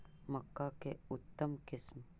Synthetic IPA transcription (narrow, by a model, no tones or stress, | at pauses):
mɐkːakeʊt̪ːəmkɪsm